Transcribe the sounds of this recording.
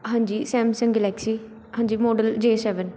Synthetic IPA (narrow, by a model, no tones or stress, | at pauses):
ɦãːɲd͡ʒiːsɛ̃ːmsə̃ŋɡɛlɛːksiː | hãːɲd͡ʒiːmoːɖəld͡ʒeːsɛːʋən